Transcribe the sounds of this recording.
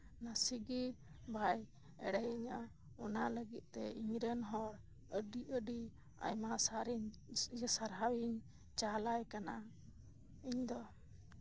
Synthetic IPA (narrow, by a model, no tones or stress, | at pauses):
nasiɡi | bʱaj | ɛ̰ɽɛjiɲa | ɔnaləɡit̪̚ˀt̪ɛiɲɾənɦɔɽ | əɖiʔəɖi | a̰jmasɾd͡ʒəsaɾɦawiɲ | t͡ʃalajkana | iɲd̪ɔ